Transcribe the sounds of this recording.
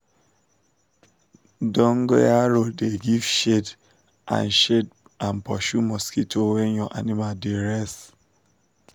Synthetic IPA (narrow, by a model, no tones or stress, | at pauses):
dɔ̃ŋɡojaɹoldeɡivʃed | ʔã̰nʃed | ãnpɔʃumɔskitʰowɛ̃njɔʔa̰nimaldeɹɛs